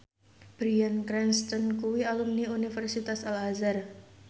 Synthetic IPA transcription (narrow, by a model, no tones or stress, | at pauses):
b̥ɾiankɾɛnst̪ənkuwialumniunifɛrsit̪asalɦazar